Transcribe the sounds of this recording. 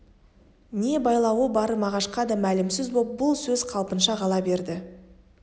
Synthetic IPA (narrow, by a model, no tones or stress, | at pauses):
ne̞bɑjlˠɑwəbɑɾəmɑʁɑʃqɑd̪ɑmælɪmsɪzbop̚bʊlˠsɵzqʰɑlˠpənʃɑʁɑlˠɑbe̞ɾd̪ɪ